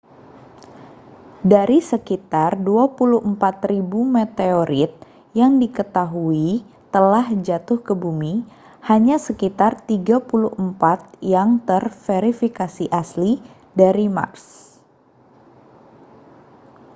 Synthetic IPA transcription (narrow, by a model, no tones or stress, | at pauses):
daɾisəkit̪arduapuluhmpat̪ɾibumet̪eoɾɪt̪̚ | jaŋdikət̪aɦui | t̪əlahd͡ʒat̪ʊhkəbumi | haɲasəkit̪art̪iɡapuluhəmpat̪̚jaŋt̪ərfeɾifikasiʔasli | daɾima̰rs